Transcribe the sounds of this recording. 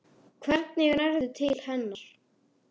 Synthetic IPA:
kʰvɛɾt̪̚nɪɣnɛɾðʏt̪ʰɪlhɛnːaɾ̥

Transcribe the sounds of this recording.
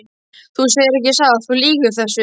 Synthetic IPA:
θuseːjɪɾɛhcɪsaːɣaθuliːɣʏθɛsːʏ

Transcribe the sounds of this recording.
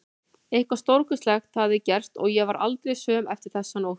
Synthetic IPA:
ehkvḁst̪owɾkʏst̪lɛxt̪havðɪcɛr̥t̪ɔ̰ɣjɛvaɾa̰lt̪ɾejsœːmɛft̪ɪɾ̥θɛsːanu

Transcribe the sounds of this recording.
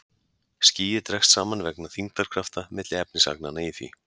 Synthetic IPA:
sciːjɪt̪ɾɛxst̪saːmanvɛknaθiŋt̪aɾ̥kʰɾaft̪amɪt̪lɪɛpnɪsa̰knanaiθvḭ

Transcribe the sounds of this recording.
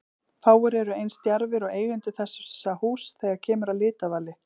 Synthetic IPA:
faːwʏɾɛɾʏejnst̪jaɾvɪɾɔɣeːjɣʏnt̪ʏθɛsːʏsahuːsθɛɣḁcʰɛːmʏɾalɪːt̪avaːlɪ

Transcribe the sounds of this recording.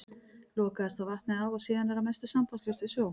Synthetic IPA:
lɔːkaðɛst̪ʰawvaht̪nɪawɔɣsiːðanvɛɾamɛst̪ʏsampaslʏst̪ɪsjoːw

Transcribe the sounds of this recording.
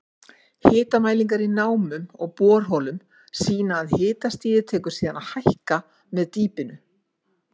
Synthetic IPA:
hɪːt̪amaːjliŋkaɾinaːwmʏmɔ̰ɣpɔːɾ̥ɦɔːlʏm | siːnaːðhɪːt̪ast̪iːðɪt̪ʰɛːkʏɾ̥siːðanaðhajhka | mɛðt̪iːpɪnʏ

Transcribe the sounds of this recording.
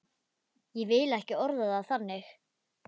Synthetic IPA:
jɛvɪlɛhcɪɔɾðaðawθanːɪx

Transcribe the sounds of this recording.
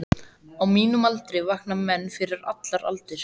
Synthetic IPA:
awmiːnʏmalt̪ɾɪvahknamːɛnːfɪɾɪɾa̰t̪laɾa̰lt̪ɪɾ̥

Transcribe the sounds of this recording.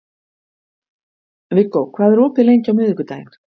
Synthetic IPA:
vɪkːowkʰvaːðɛɾɔːpɪlejɲcawmʏðʏkʏt̪aːjɪn̥

